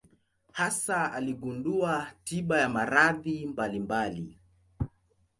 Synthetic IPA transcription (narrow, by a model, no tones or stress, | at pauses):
hasaaliɡunduatiɓajamaɾaðimbalimbali